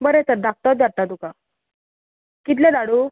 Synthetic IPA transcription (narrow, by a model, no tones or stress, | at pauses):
bəɾet̪əɾd̪ak̚t̪ɔt̪̚d͡zaɾt̪at̪uka | kit̪̬lẽd̪aɽu